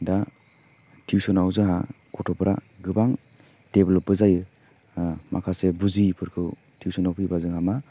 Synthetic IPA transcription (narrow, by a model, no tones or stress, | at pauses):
da | tʰiwsɔnawzɯɦa̰ | kʰɔtʰɔpʰɾʔa̰ɡɯbaŋ | d̥eblɔp̚ːɯzajɯ | ma̰kʰasebuzipʰɯɾkʰɯw | tʰiwsɔnawpʰɯjbazɯŋama